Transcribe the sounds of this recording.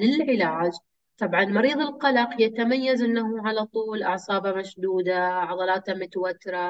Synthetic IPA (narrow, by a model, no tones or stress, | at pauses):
lɪlʕɪlaːd͡ʒ | t̪ˤɑbʕɑnmɑɾiːðˤɪlqɑlɑqjat̪amajːazʔɪnːaɦuʕalat̪ˤuːlʔɑʕsˤɑːbamaʃd̪uːd̪aʕɑðˤɑlɑːt̪amʊt̪awat̪ːɾa